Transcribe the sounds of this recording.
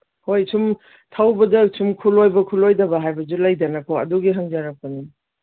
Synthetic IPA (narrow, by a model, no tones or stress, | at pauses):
hojsum | tʰawbɐdɐsʰumkʰulojbɐkʰulojdɐbɐɦajbɐzulajdɐnɐkʰoɐ̰duɡiɦaŋzaɾak̚pɐni